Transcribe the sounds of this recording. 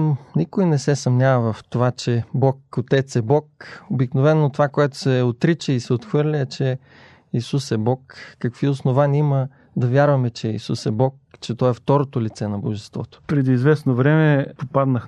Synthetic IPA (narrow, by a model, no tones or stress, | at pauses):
nikojnɛsɛsɐmnʲavɐvɐft̪ovat͡ʃɛbɔkot̪ɛt̪sɛbɔkobiknovɛnːot̪ovakoɛt̪o̥sɛot̪ɾit͡ʃəisɛot̪xvɤɾlʲəɛt͡ʃɛ | isusɛbɔkːɐkviosnovanʲiimə | d̪ɐvjaɾvɐmɛt͡ʃɛisusɛbɔkt͡ʃɛt̪ɔɛft̪ɔɾot̪olit̪sɛnɐboʒɛst̪vɔ̰t̪o̥pɾɛd̪iːzvɛsnovɾɛmɛpopad̪nəx